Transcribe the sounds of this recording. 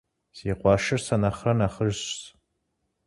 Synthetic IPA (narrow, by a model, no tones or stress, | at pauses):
siːqʷɑːʃɨrsɐnɐχrɐnaχəʒɕs